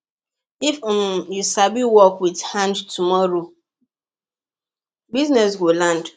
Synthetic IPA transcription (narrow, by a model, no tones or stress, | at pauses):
ifmjusabiwɔkwidhãndtumɔɾo | biznɛs̬ɡolãnd